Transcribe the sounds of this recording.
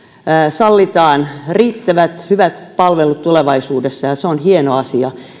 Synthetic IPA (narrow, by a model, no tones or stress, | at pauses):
sɑlːit̪ɑːnriːt̪ːæʋæt̪hyʋæt̪pɑlʋelut̪t̪uleʋɑisuːdesːɑjɑseonhienoɑsiɑ